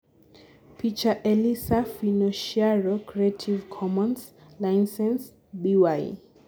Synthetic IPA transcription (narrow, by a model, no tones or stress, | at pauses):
pʰit͡ʃaʔɛlisafinɔʃiaɹɔkʰɹietʰivkʰɔmɔ̃ns | lajnsɛ̃ns | biwaj